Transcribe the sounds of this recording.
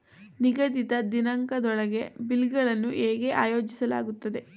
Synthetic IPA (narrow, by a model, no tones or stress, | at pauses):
niɡɐd̪it̪ɐd̪inɐŋkɐd̪ɔɭɐɡe̞bilɡɐɭɐnːuʔeːɡe̞ʔaːjo̞ːd͡ʒisɐla̰ːɡut̪ːɐd̪e̞